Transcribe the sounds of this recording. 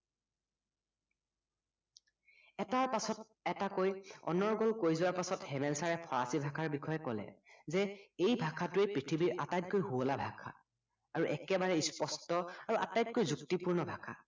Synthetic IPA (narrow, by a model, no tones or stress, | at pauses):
ɛtaɹpasɔt | ɛtakojɔ̰nɔɹɡɔlkojzʊwaɹpasɔthɛmɛlsaɹɛpʰɔɹa̰sibʱakʰaɹbikʰɔjɛkɔlɛ̰zɛejbʱakʰatʊepɹitʰibiɹʔatajt̚kojɦuɔlabʱakʰa̰ː | ɹuʔɛkɛbaɹɛispɔstɔaɹuʔa̰tajt̚kojzuktipuɹnɔbʱakʰa̰